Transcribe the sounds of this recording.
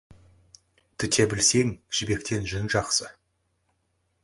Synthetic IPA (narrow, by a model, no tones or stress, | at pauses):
t̪ʰɪt̪ʰe̞bɪlse̞ŋʒ̥ɪbe̞k̚t̪e̞nʒʏnʒɑqsə